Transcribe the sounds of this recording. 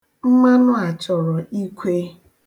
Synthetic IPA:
m̩˦ma˦nʊ˦a˨t͡ʃɔ˨ɾɔ˨ʔi˦kʷe˦

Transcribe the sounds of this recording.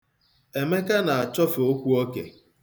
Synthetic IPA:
e˨me˦ka˦na˨a˨t͡ʃɔ˦fo˦kʷu˦o˦kḛ˨

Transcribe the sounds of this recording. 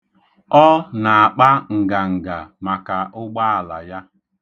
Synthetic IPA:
ɔ˦na˨a˨k͡pa˦ŋ̩˨ɡa˨ŋ̩˨ɡa˨ma˨ka˨ʔʊ˦ɡ͡ba˦a˨la̰˨ja˦

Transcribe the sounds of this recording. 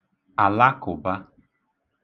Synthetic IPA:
a˨la˦kʊ˨ba˦

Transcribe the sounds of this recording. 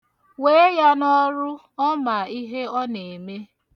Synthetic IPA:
we˦ja˦nɔ˦ɾʊ˦ | ɔ˦ma˨i˦ɦe˦ɔ˦ne˨me˦

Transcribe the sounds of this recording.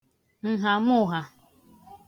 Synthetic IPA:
n̩˨ɦa˨mʊ˦˨ɦa˨

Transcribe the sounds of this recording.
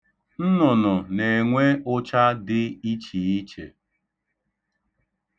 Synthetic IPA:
n̩˦nʊ˨nʊ˨ne˨ŋʷe˦ʊ˦t͡ʃa˦dɪ˦i˦t͡ʃi˨i˦t͡ʃḛ˨

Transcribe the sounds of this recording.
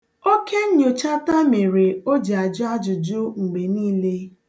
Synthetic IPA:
o˦kʰe˦ɲ̩˦ɲo˨t͡ʃa˦ta˦me˨ɾe˨o˦d͡ʒe˨a˨d͡ʒʊ˦a˦d͡ʒʊ˨d͡ʒʊ˦ŋ͡m̩˨ɡ͡be˨niː˦le˦

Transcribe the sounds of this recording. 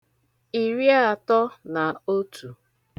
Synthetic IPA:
i˨ɾi˦a˨tɔ˦na˨o˦tʰu˨

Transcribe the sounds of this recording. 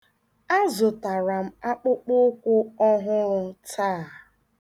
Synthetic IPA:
a˦zo˨ta˨ɾa˨m̩˦a˦k͡pʊ˦k͡pʊ˦kʷʊ˦ɔ˦ɦʊ˦ɾʊ˦taː˦˨

